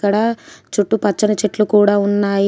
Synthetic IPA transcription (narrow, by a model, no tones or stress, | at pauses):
kɐɽɐt͡ʃuʈːupɐt͡ʃːɐnɐt͡ʃeʈlukuːɽaːunːaːji